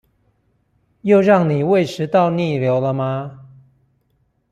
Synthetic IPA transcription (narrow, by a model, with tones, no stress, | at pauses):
jo˥˧ʊɻɑ˥˨ŋni˨˩we˥˨ɪʂɻ̩˧˥t̪ɑ˥˨ʊni˥˨ljo˧˥ʊlə˧ma˧